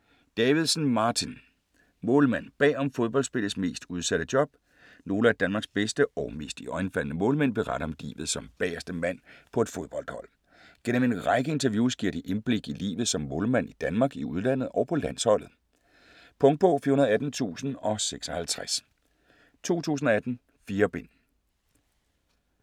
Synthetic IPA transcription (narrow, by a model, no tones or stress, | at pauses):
d̥ɛːʋið̞ˠsn̩mɑ̈ːt͡sʰin | mɔ̽ːlmæn̰b̥ɛ̰ːɒ̽mfo̝ð̞ˠb̥ɒ̽l̰sb̥e̝lð̩ˠsme̝̰ːsd̥uð̞ˠsæɾ̥əd̥jɒ̽b̥̚ | no̝ːləæɐd̥ænmɑ̈ɡ̥sb̥esd̥əɒʊme̝̰ːsd̥iɒ̽ɪnfæl̰nəmɔ̽ːlmen̰b̥e̝ʁɑ̈ɾ̥ɐɒ̽md̥ḭːʋð̞̩ˠsɒ̽mb̥ɛːɐsd̥əmæn̰pʰɒ̽e̝d̥fo̝ð̞ˠb̥ɒ̽ld̥hɒ̽l̰ | ɡ̥en̰əme̝nʁɑ̈ɪɡ̥əe̝nt͡sʰɐʋjuːsɡ̥iɐ̰d̥iʔe̝nb̥le̝ɡ̥ilḭːʋð̞̩ˠsɒ̽mːɔ̽ːlmæn̰id̥ænmɑ̈ːɡ̥iuð̞ˠlæn̰ð̩ˠɒʊpʰɒ̽læn̰shɒ̽l̰ð̩ˠ | pʰɔ̽ŋd̥̚pʰɔ̽fiɐhunɐð̩ˠæd̥n̩t͡sʰṵːsn̩ɒ̽seɡ̥sɒ̽hælt͡sʰʁas | t͡sʰo̝̰ːt͡sʰṵːsn̩ɒ̽æd̥n̩ | fiːɐb̥e̝n̰